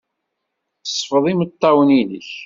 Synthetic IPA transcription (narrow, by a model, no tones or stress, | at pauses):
sˤːfəðˤimət̪ˤːɑwənilə̰ç